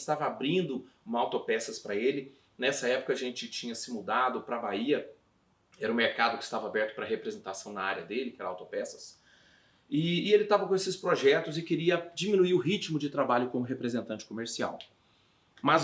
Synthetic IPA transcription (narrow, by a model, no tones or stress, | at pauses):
st̪avɐabɾĩnd̪ʊ̃mɐawt̪opɛsɐspɾɐelɪ | nɛsɐɛpʊ̥kɐːʒẽnt͡ʃɪt͡ʃĩɲɐsɪmud̪ad̪ʊpɾɐbaiɐ | ɛɾɐʊ̃meɾkad̪ʊkɪ̥st̪avɐabɛɾt̪ʊ̥pɾɐɦepɾezẽnt̪asɐ̃w̃nɐaɾjɐd̪elɪkɪɛɾɐawt̪opɛsɐ̥s | ɪːelɪt̪avɐkõesɪspɾoʒɛt̪ʊzɪkeɾiɐd͡ʒiminuiɾʊɦit͡ʃimʊd͡ʒɪt̪ɾabaʎʊkõmʊɦepɾezẽnt̪ɐ̃nt͡ʃɪ̥komeɾsia̰w | mɐz